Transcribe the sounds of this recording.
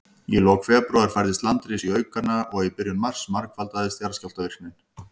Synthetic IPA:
jɛloːwkfɛːpɾowðaɾfajɾðɪst̪lant̪ɾɪːsiœːɥkanːaʔɔɣɛpɪɾjʏnmar̥smaɾkfalt̪aðɪst̪jaɾscalt̪avɪr̥knɪn̥

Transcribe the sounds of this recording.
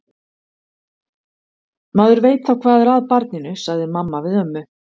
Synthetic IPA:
maːðʏɾveːjt̪θawkʰv̥aːðɛɾaðpaɾt̪̚nɪnʏsaɣðɪmamːavɪðœmːʏ

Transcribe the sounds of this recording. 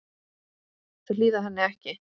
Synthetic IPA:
θɛliːðaɦanːɪɛhcɪ

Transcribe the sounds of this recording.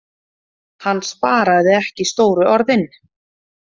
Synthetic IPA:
hanːspaːɾaðɪɛhcɪst̪oːwɾʏʔɔɾðɪn

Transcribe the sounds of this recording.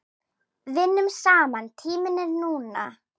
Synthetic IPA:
vɪnːʏmsaːmant̪ʰiːmɪnːɪɾnuːna̰

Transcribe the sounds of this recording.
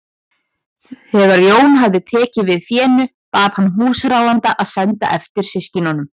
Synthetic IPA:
hɛɣaɾjoːwnɦavðɪt̪ʰɛːcɪvɪðθjɛːnʏ | paːð̥hanːɦuːsɾaːwant̪aʔaðsɛnt̪a̰ʔɛft̪ɪɾ̥sɪscɪnanʏm

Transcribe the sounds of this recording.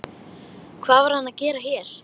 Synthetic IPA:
kʰvaːvaɾ̥hanaðcɛːɾaçjɛɾ̥

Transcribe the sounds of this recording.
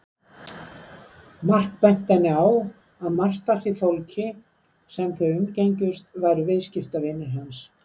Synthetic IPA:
mar̥kpɛjm̥t̪ːanːɪaw | aðmar̥t̪aθiθowlcʰɪ | sɛmθœɥʏmcejɲcʏst̪vajɾʏvɪðscɪft̪avɪnːɪɾɦans

